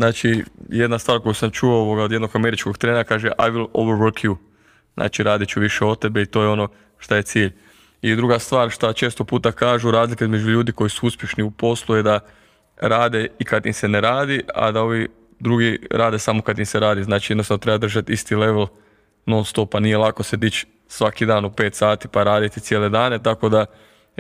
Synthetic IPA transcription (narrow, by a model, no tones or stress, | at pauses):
znaːt͡ʃije̞d̪nast̪ʋaːɾko̞jusamt͡ʃuooʋoɡaod̪jeno̞ɡameɾit͡ʃko̞ɡt̪ɾeːnakaːʒeʔajʋilˠoʋəɾʋəɾkʰju | znʔa̰ːt͡ʃiɾaːd̪et͡ʃuʋiʃeo̞t̪ebeit̪ojeo̞no̞ | ʃt̪aje̞t̪siːʎ | id̪ɾuɡast̪ʋaːɾʃt̪at͡ʃe̞ːst̪opuːt̪akaːʒuɾaːzlikeizme̞d͡ʒuʎuːd̪iko̞jisuuspʲjeʃniupo̞slˠuje̞d̪a | ɾaːd̪e̞ikad̪imseneɾaːd̪ia̰d̪ao̞ʋi | d̪ɾuɡiɾaːd̪e̞samokad̪imseɾaːd̪iznaːt͡ʃied̪nosanot̪ɾe̞bad̪r̩ʒat̪ist̪ile̞ʋelˠ | nonst̪opanije̞lˠako̞se̞d̪it͡ʃ | sʋakid̪aːnupe̞ːt̪saːt̪ipaɾaːd̪it̪it̪sjeled̪aːne̞t̪ako̞d̪a